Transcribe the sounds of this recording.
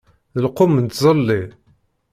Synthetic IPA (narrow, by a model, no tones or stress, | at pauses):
ðəlqomənt̪zˤəlːi